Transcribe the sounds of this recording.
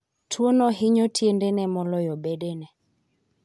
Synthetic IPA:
tʰwonɔɦɪɲɔtʰjendenɛmɔlɔjɔbedenɛ

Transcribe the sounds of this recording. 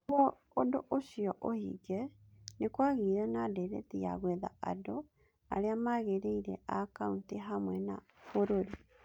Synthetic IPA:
βoː | doʔoʃiɔʔohḭɡɛnekwaɣiɾanadɛɾɛ̰t̪ia̰ɣwɛða̰ado | a̰ɾeamaɣeɾeiɾɛ̰ʔakaunteɦamwɛna̰ | foɾoɾi

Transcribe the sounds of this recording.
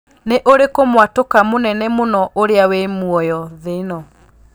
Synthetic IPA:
neʔoɾekomwatokamonɛnɛmonɔʔoɾeawemwɔjɔðenɔ

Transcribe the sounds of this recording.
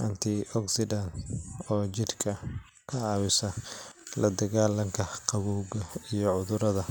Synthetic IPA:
ʔɐnt̪ʰɪʔɔksɪd̪ɐnɔːt͡ʃɪrkʰɐ | kʰɐɑːwɪsɐlɐd̪ɐɣaːlɐŋkʰɐqɑβuːɣɐijɔʕʊðʊɾɐðɐ

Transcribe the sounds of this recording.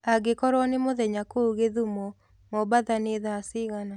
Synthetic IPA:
aɡekɔɾwɔnemoðɛɲakouɣeðumɔ | mɔbaðaneðasiɣana

